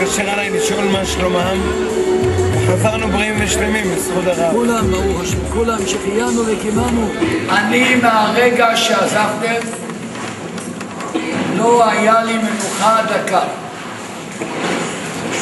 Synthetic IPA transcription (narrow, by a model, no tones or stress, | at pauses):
aʃeʁalajliʃolmaʃlomam | veχazaʁnubʁiimveʃlemimisχud̪aʁakulambaʁuχaʃkulamʃeχijanuvekimanuanimeaʁeɡaʃeazaft̪em | loajalimekuχaːd̪aka